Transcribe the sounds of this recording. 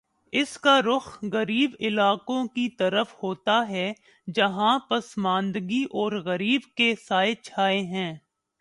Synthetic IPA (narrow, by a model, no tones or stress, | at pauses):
ɪskaɾʊxɣɐɾiːbɪlaːkõkit̪ɐɾəfhoːt̪aɦɛ | d͡ʒɐɦãpɐsmãːnd̪ɡiʔɔːɾɣɐɾiːbkesaːɪt͡ʃʰaːeɦɛ̃ː